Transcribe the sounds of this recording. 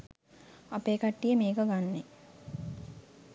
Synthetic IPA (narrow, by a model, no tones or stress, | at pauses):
apeːkaʈːijəmeːkəɡanːe